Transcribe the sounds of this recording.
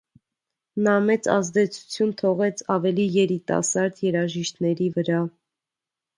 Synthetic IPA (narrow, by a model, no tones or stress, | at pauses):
nɑmɛt͡sɑ̰zd̪ɛt͡sʰu̥t͡sʰjunt̪ʰɔʁɛt͡sʰɑvɛlijɛɾit̪ɑ̰sɑɾd̪jɛɾɑʒiʃt̪nɛɾivəɾɑ